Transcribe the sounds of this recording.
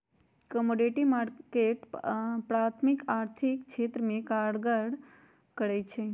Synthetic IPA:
komoɖiʈimaɾkeʈpɾat̪ʰmikaɾt̪ʰikt͡ʃʰet̪ɾəmekaɽɡəɽ | kəɽejt͡ʃʰe

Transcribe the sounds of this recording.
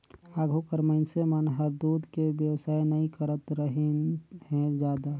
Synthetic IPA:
aːɡʱokəɾməɪnsemənɦəɾd̪uːd̪ʱkebjəwsaːjnəĩkəɾət̪ɾəɦehɛ̃d͡ʒjaːd̪a

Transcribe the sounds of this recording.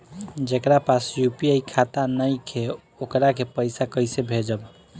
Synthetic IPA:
d͡ʒekɾapasjupiajkʰat̪anəjkʰe | okɾakepəjsakəsebʱed͡ʒəb

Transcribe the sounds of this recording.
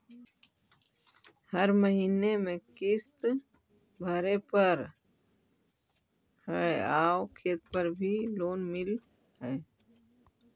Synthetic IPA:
hɐɾməɦiːnemẽkɪst̪ | bʱɐɾepɐɾ | hɛaːokʰeːt̪̚pɐɾbʱiloːnmɪl | ɦɛː

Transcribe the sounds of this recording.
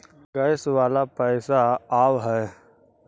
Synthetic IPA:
ɡɐɪsʋaːlapɛɪsaaːwɦɛ

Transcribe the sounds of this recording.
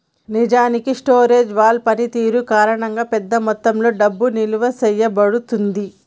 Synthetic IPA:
nid͡ʒaːnikiʂʈoːɾe̞ːd͡ʒʋaːɭpɐnit̪iːɾukaːɾɐɳɐŋɡaːpɛd̪ːɐmɔt̪ːɐmlo̞ːɖɐbːuniluʋɐsɛjːɐbɐɽut̪und̪i

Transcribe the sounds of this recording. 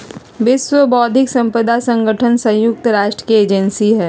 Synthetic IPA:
ʋɪswəbɔːd̪ʱɪksɐ̃mpɾəd̪asɐ̃ŋɡəʈʰənsɐ̃jʊk̚t̪ɾaːʃʈɾəkieːd͡ʒɛnsiɦɛː

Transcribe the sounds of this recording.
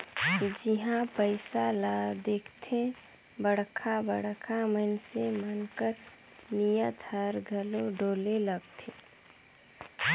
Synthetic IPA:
d͡ʒiɦãpəɪsalad̪eːkʰt̪ʰẽ | bəɽ̤kʰabəɽkʰamənsemənkəɾ | nijət̪ɦəɾɡʱəloɖʱoːleləɡt̪ʰe

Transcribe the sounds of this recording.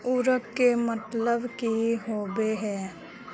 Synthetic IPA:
ʊɾəkkemət̪ləbkiɦoːbeɦɛː

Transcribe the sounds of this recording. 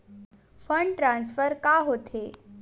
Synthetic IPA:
fəɳɖʈɾãnsfəɾkaɦot̪ʰe

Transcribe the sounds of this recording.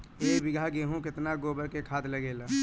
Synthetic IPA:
ebɪɡʱaɡeːɦũkɪt̪naɡoːbəɾkekʰaːd̪ləɡeːla

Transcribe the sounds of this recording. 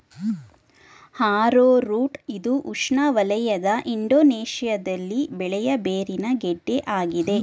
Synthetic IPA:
haːɾoːɾuːʈid̪uʔuʂɳɐʋɐlɐjɐd̪ɐʔiɳɖoːneːʃijɐd̪ɐlːibɛɭɛjɐbeːɾinɐɡeɖːeʔaːɡid̪e̞

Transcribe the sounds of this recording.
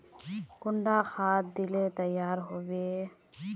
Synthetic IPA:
kʊɳɖaxʰaːt̪̚d̪ɪlet̪əjːaːɾɦoːʋeː

